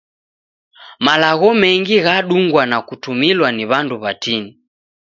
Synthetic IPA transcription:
malaɣɔmɛŋɡiɣaɗuŋɡwanakutumilwaniβanduβatini

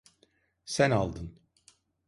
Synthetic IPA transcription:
sænalˠd̪ɯn

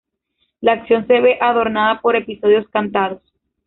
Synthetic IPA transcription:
laːksjo̞nse̞βe̞ʔaðo̞ɾnaðapo̞ɾe̞piso̞ð̞jo̞skant̪aðos

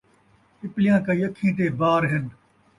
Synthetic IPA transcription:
ɪplijãːkaijɐkʰːĩːʈ̪eːbaːɾɦɪn

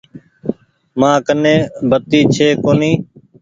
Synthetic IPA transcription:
mãːkənẽːbət̪iːt͡ʃʰeːkoːniː

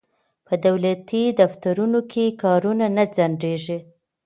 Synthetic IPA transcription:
pəd̪awlat̪id̪aft̪aɾunokʰekɑɾunanad͡zaɳɖeʒi

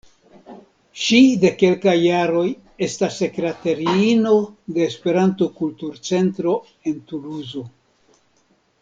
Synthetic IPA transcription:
ʃide̞ke̞lkajːaɾo̞j | e̞stasːe̞kɾeteɾiino̞de̞ːspe̞ɾanto̞kultuɾt͡se̞ntɾo̞ | e̞ntuluzo̞

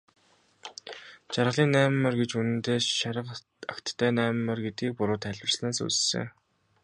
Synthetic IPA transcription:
t͡ɕarʁə̆ɮiːnːæːmːœ̆rɡet͡ɕunɘ̆nt̪eːʃaɾə̆q | akt̪ʰːæːnæːmːœ̆rɡet̪ɡiːk̚pʊɾʊːt̪ʰæɮʲwə̆rsnæːsṵːssɘ̰ŋ

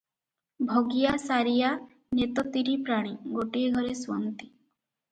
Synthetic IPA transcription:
bʱoɡijasaɾija | net̪ɔt̪iɾipɾaɽ̃iɡoʈieɡʱɔɾesuɔ̰nt̪i̥

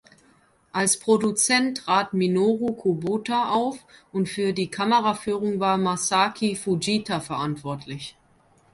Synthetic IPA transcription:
ʔalspʁ̥odut͡sɛntʁ̥aːtminoːʁokʰubutaʔaʊfʔʊntfyːɐdiːkʰaməʁafyːʁ̞ʊŋvaːɐmasaːkʰifud͡ʒiːtʰafɛɐʔantv̥ɔɐtʰlɪç

